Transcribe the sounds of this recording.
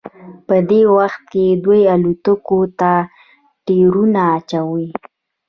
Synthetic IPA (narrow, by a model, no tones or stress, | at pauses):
pəd̪ewaxt̪̚ked̪wejalut̪əkot̪a | ʈeɾunaːt͡ʃawi